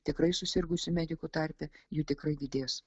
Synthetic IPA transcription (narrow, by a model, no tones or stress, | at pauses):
t̪ʲɪkɾɐɪsʊsʲɪɾɡʊsʲɪmʲɛd̪ʲɪkuːt̪ɐɾʲpʲɛjuːt̪ʲɪkɾɐɪd̪ʲɪd̪ʲeːs